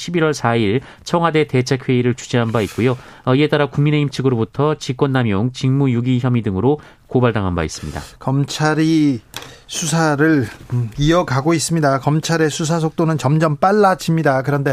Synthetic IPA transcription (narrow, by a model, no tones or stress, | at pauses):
ɕʰibiɾwʌɭsʰaiɭ | t͡ɕʰʌŋɦwade̞te̞t͡ɕʰakʰɸweiɾɯɭt͡ɕʰu̥d͡ʑiɦanbaik̚k͈ujo | ʌie̞t͈aɾakuŋmine̞imt͡ɕʰiɡɯɾobutʰʌt͡ɕik͈wʌnːamjoŋt͡ɕiŋmujuɡiçjʌmidɯŋɯɾo | kobaɭdaŋɦanba̰is͈ɯmɲida̰kʌmt͡ɕʰaɾi | sʰusʰaɾɯɭiʌɡaɡois͈ɯmɲidakʌmt͡ɕʰaɾe̞sʰus̬ʰas̬ʰok̚t͈onɯnt͡ɕʌmd͡ʑʌmp͈aɭːad͡ʑimɲidakɯɾʌnde̞